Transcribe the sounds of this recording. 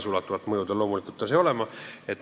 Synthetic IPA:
sulɑt̪ːuvɑt̪ːˑmɤjud̪ɑlo̞ːmulikˑult̪ːˑɑseo̞lemɑet̪

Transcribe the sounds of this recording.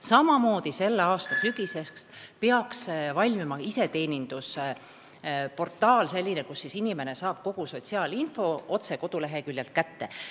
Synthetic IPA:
sɑmɑmo̞ːd̪̥ise̞lːeɑːst̪ɑsyɡ̥ise̞kst̪peɑksvɑlʲmimɑise̞t̪e̞ːnʲind̪̥us | po̞rt̪ːˑɑːlse̞lʲːinekusːisinime̞ne̞sɑːb̥̚ko̞ɡ̥uso̞t̪ʲsiɑːlinfo̞o̞t̪se̞ko̞d̪̥ule̞ɦe̞kylʲjelt̪̚kæt̪ːe̞

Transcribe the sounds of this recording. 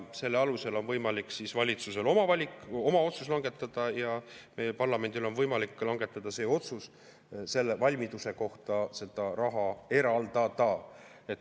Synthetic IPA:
se̞lːeɑluse̞lo̞nvɤjmɑlikːsisvɑlʲit̪suse̞lo̞mɑvɑlʲiko̞mɑo̞t̪sus̬lɑŋɡ̥e̞t̪ːˑɑd̪̥ɑjɑmelpɑrlɑme̞nd̪ilo̞nvɤjmɑlikːˑlɑŋɡ̥e̞t̪ːˑɑd̪ɑse̞ːo̞t̪sus | se̞lːevɑlʲmid̪use̞ko̞ht̪ɑse̞d̪̥ɑrɑɦɑe̞ɾɑld̪̥ɑd̪̥ɑ | e̞t̪

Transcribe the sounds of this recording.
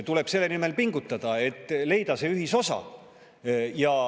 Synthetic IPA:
t̪ule̞b̥se̞lːe̞nime̞lpiŋɡut̪ˑːɑd̪̥ɑe̞t̪ːˑle̞jd̪̥ɑse̞yɦiso̞sɑ̰ | jɑ

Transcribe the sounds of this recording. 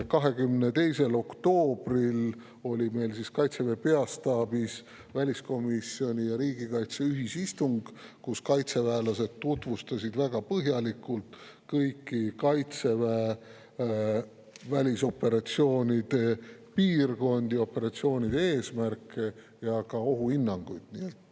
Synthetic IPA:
kɑɦe̞ɡymnet̪e̞jse̞lo̞kt̪o̞ːb̥ril | o̞lʲime̞jlsiskɑjt̪se̞ve̞pe̞ɑst̪ɑːbis | vælʲisko̞misio̞nʲijɑɾiːɡikɑjt̪se̞yɦisist̪uŋɡ̥kuskɑjt̪se̞væelɑse̞d̪̥t̪ːut̪vust̪ɑsid̪væɡ̥ɑpɤɦjɑlikːˑult̪ | kɤjkːˑikɑjt̪se̞væ | vælʲiso̞pːe̞ɾɑt̪sio̞ːnʲid̪̥e̞piːrɡo̞nd̪̥io̞pːe̞ɾɑt̪sio̞ːnid̪eeːsmærkːˑe | jɑkɑo̞ɦuinːɑŋɡ̥ujd̪̥nielt̪ːˑ

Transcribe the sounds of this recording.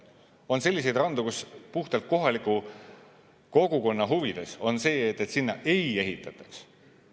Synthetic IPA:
o̞nse̞lʲːis̬e̞jd̪̥rɑnd̪ukuspuht̪ɑlt̪̚ko̞ɦɑliku | ko̞ɡ̥uko̞nːɑɦuvid̪̥e̞so̞nse̞ːet̪ːˑet̪sinːɑʔe̞je̞ɦit̪ːˑɑt̪ːˑɑ̥ks

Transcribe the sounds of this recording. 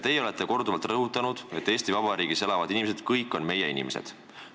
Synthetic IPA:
t̪e̞jeo̞le̞t̪ːˑe̞ko̞rd̪uvɑlt̪ˑrɤɦut̪ːˑɑnud̪̥e̞t̪ːeːsʲt̪ivɑbɑɾiːɡ̥ise̞lɑvɑd̪̥inimes̬ed̪̥kɤjkːˑo̞nme̞je̞inḭme̞sḛd̪̥

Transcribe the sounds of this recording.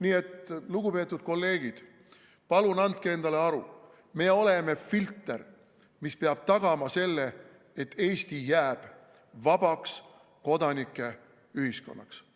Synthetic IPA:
niːe̞t̪luɡ̥upe̞t̪ːˑud̪̥̚ko̞lːe̞ːɡ̥id̪̥ | pɑlunɑnd̪̚kee̞nd̪ɑle̞ɑɾu | me̞ːo̞le̞me̞filt̪ˑːe̞̰r | mispeɑb̥̚t̪ɑɡ̥ɑmɑse̞lːe | et̪ːe̞ːst̪ijæːb̥ | vɑbɑks | ko̞d̪ɑnʲikːˑe̞ | yɦisko̞̰nːɑ̰ks

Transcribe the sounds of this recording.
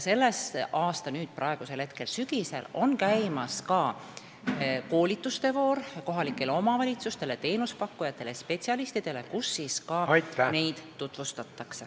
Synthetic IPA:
jse̞lːe̞sʔɑːst̪ɑnyːd̪̥̚prʔɑe̞ɡ̥use̞lhe̞t̪̚ke̞lsyɡ̥ise̞̰lo̞nkæjmɑskɑ | ko̞ːlʲit̪ˑːust̪e̞vo̞ːrko̞ɦɑlikːˑe̞leo̞mɑvɑlʲit̪sust̪e̞let̪e̞ːnuspɑkːujɑt̪ːˑe̞lespe̞t̪siɑlist̪id̪̥e̞le̞kusːiskɑːɑjt̪ne̞jd̪̥ːut̪vust̪ɑt̪ːˑɑkse

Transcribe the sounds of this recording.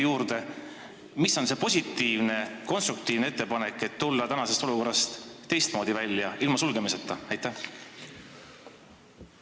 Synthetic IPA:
juːɾd̪̥e̞ | misːo̞nse̞po̞sʲit̪ːˑiːvne̞ko̞nst̪ruk̚t̪iːvnee̞t̪ˑːe̞pɑnekːˑe̞t̪ːulːɑt̪ænɑse̞st̪o̞luko̞rːɑst̪t̪ːe̞jst̪̚mo̞ːd̪̥ivælʲːjɑilmɑsulɡ̥e̞miset̪ːˑɑɑjt̪ːæh

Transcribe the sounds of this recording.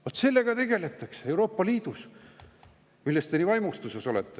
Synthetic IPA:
vot̪se̞lːe̞ɡ̥ɑt̪e̞ɡ̥e̞le̞t̪ˑːɑksee̞wɾo̞ːpːɑliːd̪̥us | milːest̪enivɑjmust̪useso̞let̪ːˑe

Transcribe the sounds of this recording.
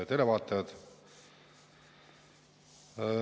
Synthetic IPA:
jɑd̪elevɑːt̪ːˑɑjɑd̪̥

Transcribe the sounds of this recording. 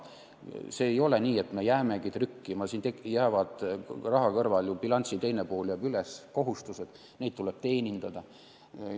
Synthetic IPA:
se̞ːjo̞le̞nʲiːet̪ːme̞jæːmeɡ̥it̪rykːimɑsiːnt̪ejæːvɑd̪̥rɑɦɑkɤrvɑljub̥ilɑnʲt̪sit̪e̞jnepo̞ːljæb̥ylesko̞ɦust̪used̪̥ | ne̞dt̪̚t̪uleb̥̚t̪e̞ːnʲind̪̥ɑd̪̥ɑ

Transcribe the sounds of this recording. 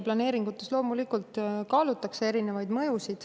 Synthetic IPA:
plɑne̞ːɾiŋɡ̥ut̪ːˑe̞slo̞ːmulikult̪kɑːlut̪ːˑɑksee̞ɾine̞vɑjd̪mɤ̞jusid̪̥

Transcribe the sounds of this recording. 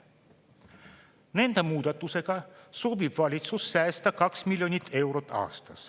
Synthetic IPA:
ne̞nd̪̥emuːd̪̥ɑt̪ːˑuse̞ɡ̥ɑsobib̥vɑlʲit̪susːæːst̪ækɑksmilʲjo̞nʲit̪ːe̞wɾot̪ːˑɑ̰ːst̪ɑs

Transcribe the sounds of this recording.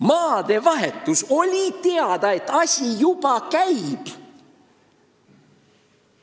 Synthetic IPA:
mɑːd̪̥e̞vɑɦe̞t̪ːˑuso̞lʲit̪e̞ɑd̪̥ɑe̞t̪ːˑɑsʲijub̥ɑkæjb̥

